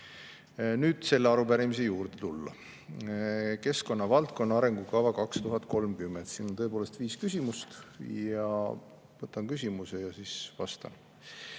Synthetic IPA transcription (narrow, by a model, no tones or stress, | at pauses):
nyːd̪̥se̞lːeɑɾubæɾimise̞juːɾd̪e̞t̪ulːɑ̰ | ke̞sko̞nːɑvɑlt̪̚ko̞nːɑɑɾe̞ŋɡ̥ukɑvɑkɑkst̪uɦɑt̪ˑko̞lmkymːend̪t̪siːnont̪ɤepoːle̞st̪viːskysʲimust̪jɑ | vɤt̪ːˑɑnkysʲimuse̞jɑsisvɑst̪ɑ̰n